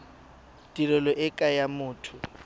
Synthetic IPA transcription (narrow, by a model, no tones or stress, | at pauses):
tʼirɔlɔʔɛkʼajamʊːtʰʊ